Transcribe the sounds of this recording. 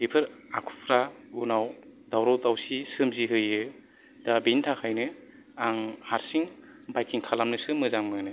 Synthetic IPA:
bipʰɯɾakʰu̥pʰɾaunawdawɾawtawsisɯmziɦɯjɯ | dabintʰakʰajnɯ | aŋhaɾsiŋbajkʰiŋkʰalamnɯsɯmɯzammanɯ

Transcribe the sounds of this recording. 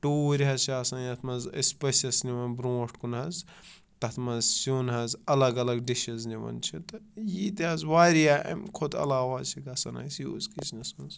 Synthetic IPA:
ʈoːɾɦɐzt͡ʃʰasanjɐt̪ʰmɐzespesɐsniʋɐnbɾõːʈkunɦɐz | t̪ɐt̪ʰmɐzsjonɦɐzɐlɐɡɐlɐɡɖiʃɐzniʋɐ̰nt͡ʃʰit̪ɐjit̪ɐzwaːɾijaːʔɐ̰mʲkʰod̪ɐ̰laːʋaːzt͡ʃʰiɡɐsɐna̰jsjo̰ːzkisnɐsmɐnz

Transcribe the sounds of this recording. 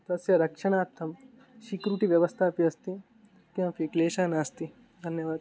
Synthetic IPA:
t̪ɐsjɐɾɐkʂɐɳ̃aːt̪ʰːɐm | ʃikɾuʈiʋjɐʋɐst̪ʰaːpiɐst̪i | kj̃pikleːʃaːnaːst̪i | d̪ʱɐnjɐʋaːd̪

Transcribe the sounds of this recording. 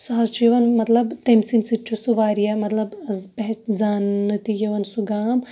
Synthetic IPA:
sɐɦɐst͡ʃiʋɐnmɐt̪lɐbt̪emsinsit͡ʃʰusuʋaːɾijamɐt̪lɐbɐzpɐɦt͡ʃzaːnɐt̪ijɐʋɐnsuɡaːm

